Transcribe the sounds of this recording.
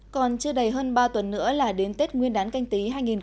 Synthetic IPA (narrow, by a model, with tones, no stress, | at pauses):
kɔ˨˩nt͡ɕɨ˧əɗə˨˩jɦəː˧nɓaː˧t̪wə˨˩nːɨ̰˧˥əlaː˨˩ɗe˨˦nt̪e˦˥t̚ŋwi˧ənɗaː˨˦nka˧jŋt̪i˨˦ɦaː˧jŋi˨˩n